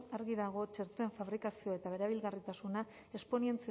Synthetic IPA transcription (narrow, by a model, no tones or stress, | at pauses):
aɾɣiðaɣ̞o̞t͡ʃe̞ɾt̪ue̞ɱfaβɾikasio̞e̞t̪aβ̞e̞ɾaβ̞ilɣarit̪asuna | e̞spo̞nie̞nt͡se